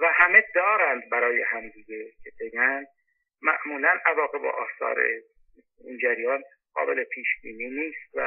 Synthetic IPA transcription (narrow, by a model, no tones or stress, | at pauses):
væhæmed̪ɒːɾænd̪bæɾɒːjehæmd̪iɡecʰe̞be̞ɟænd̪̚ | mæʔmuːlænævɒːɣe̞bɒ̰ːʔɒːsɒ̰ːɾḛ | ind͡ʒæɾjɒːn | ɢ̥ɒ̰ːbele̞pʰiːʃbiːniːniːst̪væ̰